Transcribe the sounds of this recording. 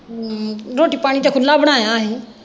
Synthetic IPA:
ɾoːʈiːpaːɽ̃it̪ekʰolaːbʱɽaːaːɦeː

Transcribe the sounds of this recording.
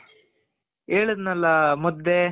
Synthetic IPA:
eːɭud̪nɐlːɐmɔd̪ːe

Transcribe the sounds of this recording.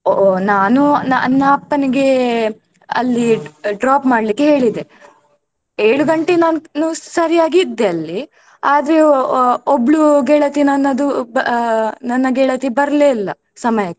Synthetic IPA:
onaːnunɐnːɐɐpːɐniɡe̞ | ɐ̰lːiɖɾaːpmaːɽlikːeɦe̞ːɭid̪e | eːɭuɡɐɳʈenaːnnusɐɾijaːɡiːd̪ːeɐlːi | aːd̪ɐɾe̞obɭuɡɛɭɐt̪inɐnːɐd̪ubɐnɐnːɐɡɛɭɐt̪ibɐɾɐleːilːɐ̰ | sɐmɐjɐkːe

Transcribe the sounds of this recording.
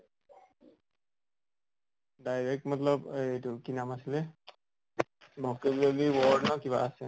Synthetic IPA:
dajɹɛk̚tmɔt̪lɔbetukinamasilɛ | bʱɔkebleliwɔdnɔkiβaasɛ

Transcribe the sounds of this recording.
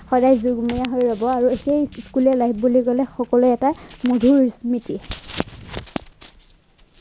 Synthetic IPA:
xɔdajzuɡmijaɦojɹɔbɔaɹuxejskulɛlaɦp̚ʰbuliɡɔlɛxɔkɔluɛtamodʱuɹsmiti

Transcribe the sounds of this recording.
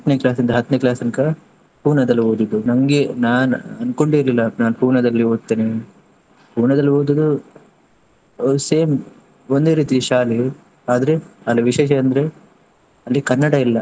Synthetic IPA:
ɐt̪ːneklaːsind̪ɐɦɐt̪ːneklaːsɐnkɐ | puːɾnɐd̪ɐlːioːd̪ud̪unɐŋɡenaːnɐnkoɳɖiɾlilːɐnaːnpuːɾnɐd̪ɐlːioːɡ̪̚t̪ːeːne | puːɾnɐd̪ɐlːioːd̪ud̪u | seːm | ond̪eːɾiːt̪iʃaːle | aːd̪ɐɾeɐliʋiʃeːʃɐɐnd̪ɐɾe | ɐlːikɐnːɐɽɐilːɐ

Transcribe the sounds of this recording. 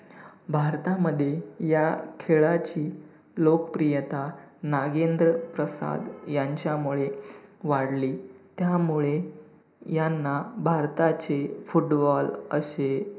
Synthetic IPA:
bʱaɾt̪aməd̪ʱːjejakʰeɭat͡ɕiː | lokəpɾijət̪anaɡend̪ɾəpɾəsa̰d̪jaɲt͡ɕjamuɭeʋaɽliːt̪jamuɭe | janːabʱaɾt̪at͡sefuʈbɔlə̰ɕe

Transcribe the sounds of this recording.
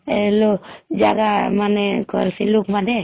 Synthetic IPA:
ɛlod͡ʒa̰ɡamanɛkɔ̰lsilukmanɛ

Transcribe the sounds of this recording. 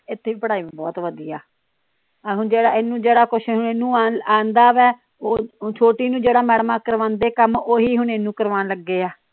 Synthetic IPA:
ɪt̪ʰːeːʋiːpəɽaːiːmẽːbɔ̰ːt̪ʋəd̪iːaː | ɦʊɳd͡ʒeːɽaːɪnːũːd͡ʒeːɽaːkʊʃʰɦʊneːnũːaːaːnd̪aːʋɛː | oːt͡ʃʰoːʈiːnũːd͡ʒeːɽaːmɛːɽmaːkəɾʋãːnd̪eːkəmoːɦiːɦʊɳeːnũːkəɾʋaːnləɡːeːaː

